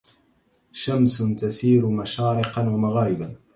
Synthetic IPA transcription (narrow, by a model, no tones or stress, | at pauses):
ʃamst̪asiːɾʊmaʃaːɾɪqɑnwamaɣaːɾɪba